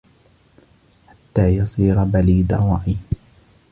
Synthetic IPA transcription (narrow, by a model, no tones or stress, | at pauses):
ħat̪ːaːjɑsˤiːɾabaliːd̪a̰wɑʔi